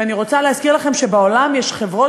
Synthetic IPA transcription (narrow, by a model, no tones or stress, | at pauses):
aniʁo̞t͡saleɦaskiʁlaχe̞mʃe̞beo̞lamjeʃχe̞vʁo̞